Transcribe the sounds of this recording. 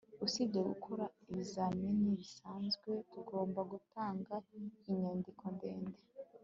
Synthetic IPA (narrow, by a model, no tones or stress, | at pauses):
usibɟeɡukʰoɾaiβizaminiβisaːnzɡwe̞tuɡo̞ːmbaɡutʰaːŋɡaiɲeːndikʰondeːnde